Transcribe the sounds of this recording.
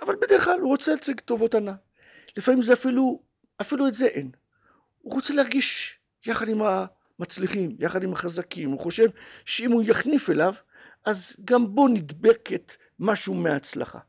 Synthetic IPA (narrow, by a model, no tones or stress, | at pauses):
avalbed̪eʁeχlaluʁot͡selat͡siɡt̪o̞vo̞tana | lefamimzeafilu | afiluetzeʔen | uʁot͡se̞leaʁɡiʃ | jaχad̪imha | mat͡sliχimjaχad̪imaχazakimuχo̞ʃe̞vʃeimujaχnife̞lav | azɡambo̞nid̪be̞ket̪ | maʃumeaːt͡sla̰χa̰